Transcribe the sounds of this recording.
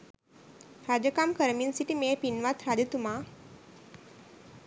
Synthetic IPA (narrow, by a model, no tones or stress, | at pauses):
ɾad͡ʒəkamkəɾəminsiʈimeːpinʋat̪ɾad͡ʒət̪uma